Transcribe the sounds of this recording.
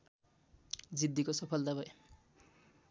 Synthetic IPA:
d͡zid̪ʱːikosʌpʰʌlt̪abʱʌj

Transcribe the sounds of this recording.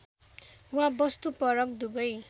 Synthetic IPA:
wãbʌst̪upʌɾʌk̚d̪ubʌj

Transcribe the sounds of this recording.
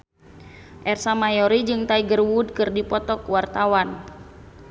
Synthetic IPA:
ʔɛrsamajɔɾid͡ʒɨŋt̪aiɡərwud̚kɨrdipɔt̪ɔkwart̪awan

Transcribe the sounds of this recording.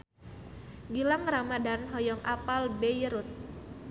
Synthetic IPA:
ɡilaŋramadanɦɔjɔŋʔapalbejəɾʊt̪̚

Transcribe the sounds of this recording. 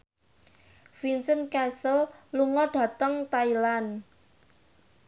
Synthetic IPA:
finsənkɛsəlluŋɔɖ̥ä̤t̪əŋt̪ailan

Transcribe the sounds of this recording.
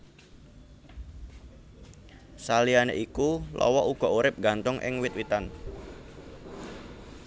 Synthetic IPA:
salianeʔikulʔɔ̰wɔʔuɡ̥ɔ̤ʔuɾɪp̚ɡant̪ʊŋʔɪ̰ŋwɪt̪̚wit̪an

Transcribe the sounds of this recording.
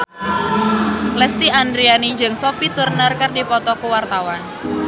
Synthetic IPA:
lɛst̪iandɾianid͡ʒɨŋsopit̪urnərkərdipɔt̪ɔkuwart̪awan

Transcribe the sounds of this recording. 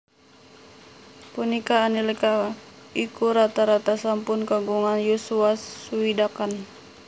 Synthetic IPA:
punikaːnilkaikuɾat̪aɾat̪asampunkaɡuŋanjusuauidakan

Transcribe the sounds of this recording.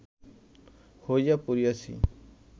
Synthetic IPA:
hojapuɾijasḭ

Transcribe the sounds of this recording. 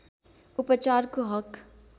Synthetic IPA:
ʊpət͡ʃaːɾkoɦɐk

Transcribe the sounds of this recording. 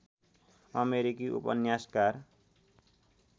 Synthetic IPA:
ʌmeɾikiʔṵpʌ̰njaskar

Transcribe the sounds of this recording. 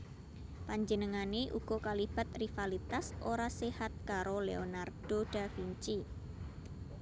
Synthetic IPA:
paɲd͡ʒənəŋaneʔṵɡ̥ɔ̤kalib̥a̤t̪̚rifalit̪asʔoɾasehat̪̚kaɾoleonard̥oɖ̥a̤fiɲt͡ʃi

